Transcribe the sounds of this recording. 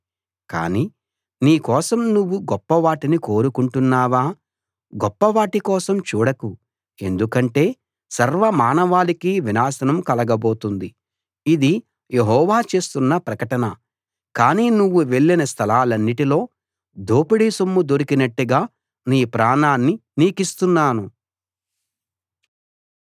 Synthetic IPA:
ka̰ːniː | niːkɔːsɐmnuʋːuɡɔpːɐʋaːʈiniko̞ːɾukuɳʈunːaːʋaː | ɡɔpːɐʋaːʈikɔːsɐmt͡ʃuːɽɐku | e̞nd̪ukɐɳʈe̞ː | sɐɾʋɐmaːnɐʋaːlikiʋinaːsɐnɐmkɐlɐɡɐbo̞ːt̪und̪i | id̪i | jeɦɔːʋaːt͡ʃe̞ːst̪unːɐpɾɐkɐʈɐnɐ | kaːniːnuʋːuʋe̞ɭːinɐst̪ʰɐlaːlɐnːiʈilo̞ː | d̪oːpiɽisumːud̪o̞ɾikinɐʈːuɡaː | niːpɾaːɳaːnːiniːkist̪unːaːnu

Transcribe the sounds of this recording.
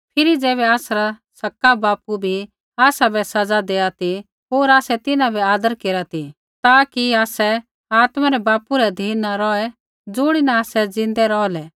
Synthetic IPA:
pʰɪɾid͡zɛːβɛaːsɾasɐkːabaːpubʱi | aːsabɛsɐd͡zad̪eːat̪i | ɦoːɾaːsɛt̪ɪnãbʱɛaːd̪əɾkeːɾat̪i | t̪aːkiaːsɛ | aːt̪maɾɛbaːpuɾɛd̪ʱiːnaɾɔɛ | d͡zʊːɽ̃inaaːsɛd͡zɪ̃nd̪ɛɾɔlɛ

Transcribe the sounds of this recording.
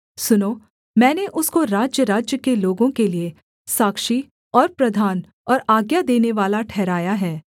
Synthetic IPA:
sʊnoː | mɛ̃ːneʔʊskoɾaːd͡ʒjəɾaːd͡ʒjəkeloːɡõkelie | saːkʃi | ɔːɾpɾɐd̪ʱaːn | ɔːɾaːɡjad̪eːneʋaːlaʈʰɛːɾaːjaɦɛː

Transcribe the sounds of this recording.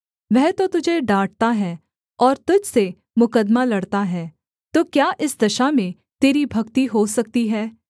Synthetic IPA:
ʋɛɦt̪ot̪ʊd͡ʒʱeɖaːʈ̚t̪aɦɛː | ɔːɾt̪ʊd͡ʒʱse | mʊkəd̪malɐɽt̪aɦɛː | t̪oːkjaːʔɪsd̪ɐʃamẽ | t̪eːɾibʱɐkt̪iɦosɐk̚t̪iɦɛː

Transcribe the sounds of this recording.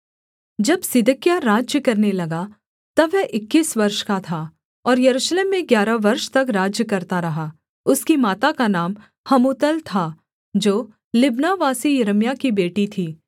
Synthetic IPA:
d͡ʒɐbsɪd̪əkjaɾaːd͡ʒjəkɐɾnelɐɡa | t̪ɐʋːɛɦʔɪkːiːsʋɐɾʃkat̪ʰaː | ɔːɾjɐɾuːʃleːmːẽɡjaːɾaʋɐɾʃt̪ɐkɾaːd͡ʒjəkɐɾt̪aɾɐɦaː | ʊskimaːt̪akanaːm | hɐmuːt̪əlt̪ʰa | d͡ʒoː | lɪbnaʋaːsijɐɾəmjakibeːʈit̪ʰiː

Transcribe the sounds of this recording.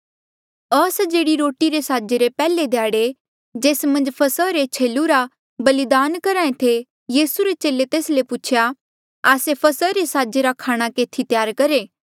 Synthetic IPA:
ɐsd͡ʒeːɽiɾoːʈiɾesaːd͡ʒeɾepɛːled̪ejaːɽe | d͡ʒeːsmɐ̃nd͡ʒpʰɐsəɾet͡ʃʰeːluɾa | bɐlɪd̪aːnkɐɾaːẽt̪ʰe | jiːsuɾet͡ʃeːlet̪eːslepʊt͡ʃʰja | aːsepʰɐsəɾesaːd͡ʒeɾakʰaːɽ̃akeːt̪ʰit̪jaːɾkɐɾeː

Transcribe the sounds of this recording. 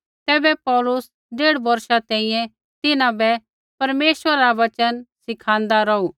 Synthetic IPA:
t̪ɛːbɛpɔːlʊs | ɖeːɽbɐɾʃat̪ɛ̃ːĩjɛ̃ | t̪ɪnãbɛ | pɐɾmeːʃʋəɾaːɾaʋɐt͡ʃənsɪkʰãːnd̪aɾɔuː

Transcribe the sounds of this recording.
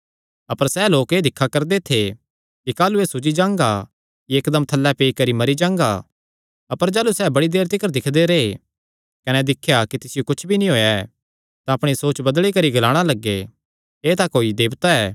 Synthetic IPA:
ɐpəɾsɛːloːkeːd̪ɪkʰːakɐɾd̪et̪ʰe | kikaːlueːsʊd͡ʒid͡ʒãːŋɡa̰ | kiekd̪əmt̪ʰɐlːɛpeːikɐɾimɐɾid͡ʒãːŋ̆ɡa̰ | ɐpəɾd͡ʒaːlusɛːbɐɽid̪eːɾt̪ɪkəɾd̪ɪkʰd̪eɾee | kɐnɛd̪ɪkʰːjakit̪ɪsɪjokʊt͡ʃʰbʱinĩɦoːjaɛ | t̪aɐpɽ̃isoːt͡ʃbɐd̪ɭikɐɾiɡɐlaːɽ̃alɐɡːe | eːt̪akoːid̪eːbt̪aɛː

